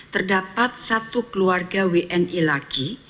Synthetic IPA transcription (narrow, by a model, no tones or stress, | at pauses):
t̪ərdapat̪̚sat̪ukəluarɡaweʔɛnʔilaɡ̥i